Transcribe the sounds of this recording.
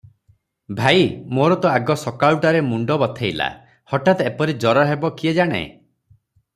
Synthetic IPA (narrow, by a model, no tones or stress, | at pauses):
bʱaimoɾɔt̪ɔaɡɔsɔkawʈaɾemuɳɖɔbɔt̪ʰejla̰ | hɔʈat̪epɔɾid͡ʒɔɾɔɦebɔkied͡ʒaɽ̃ḛ